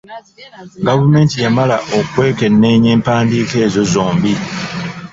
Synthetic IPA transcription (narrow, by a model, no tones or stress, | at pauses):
ɡavume̞ːntijamalaʔokwe̞ːke̞nːe̞ːɲeːmpaːndiːke̞ːzo̞zoːmbi